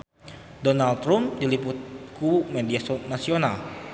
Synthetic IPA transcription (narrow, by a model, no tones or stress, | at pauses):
donalt̪ɾʊmdilipʊt̪̚kumediasonasiona̰l